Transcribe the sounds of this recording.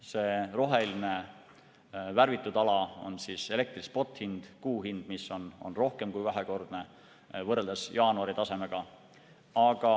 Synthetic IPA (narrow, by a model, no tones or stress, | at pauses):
se̞ːro̞ɦe̞line̞ | værvit̪ːˑud̪ɑlɑo̞̰nsiːse̞le̞k̚t̪rispo̞t̪ːˑhind̪̥kuːɦind̪̥misːo̞no̞̰nro̞hke̞mkujvæɦeko̞rd̪̥ne | vɤrːeld̪ɑsjɑːnuɑɾit̪ɑse̞me̞ɡ̥ɑ | ɑɡ̥ɑ